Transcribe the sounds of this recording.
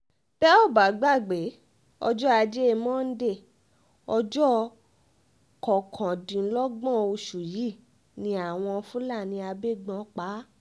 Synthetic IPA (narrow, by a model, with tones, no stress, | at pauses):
tɛ˦ɔ˦˨ba˨˦ɡ͡ba˦˨ɡ͡be˨˦ | ɔ̰˧d͡ʒɔ˦a˧d͡ʒe˦˧mɔ̃ː˦n̩˦de˦˨ | ɔ˧d͡ʒɔ˦ | kɔ˨kʰã˨dĩ˨˦lɔ˦ɡ͡bɔ̃˦˨o˧ʃu˨ji˦˨ | nĩ˧a˦˨w̃ɔ̃˧fũ˦la˦˨nĩ˧a˧be˦˨ɡ͡bɔ̃˨˧˦k͡pa˨˦